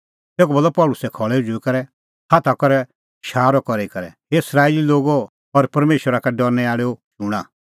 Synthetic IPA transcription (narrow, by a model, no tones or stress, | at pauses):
t̪eːkubɐlːɔpɔːlʊsɛkʰɔɭɛud͡ʒuikɐɾɛ | hat̪ʰakɔɾɛ | ʃaːɾɔkɔɾeikɐɾɛ̰ | eɪsɾaːililoːɡo | ɔɾpɐɾmeːʃwəɾakɛɖɔɾnɛaːɭɛoʃʊɽ̃a